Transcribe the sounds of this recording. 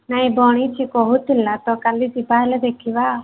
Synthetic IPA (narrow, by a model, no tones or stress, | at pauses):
naĩbɔːɽ̃it͡ʃʰikɔɦut̪ilːat̪ɔkalːit͡ʃipaːlɛd̪eːkʰiʋaː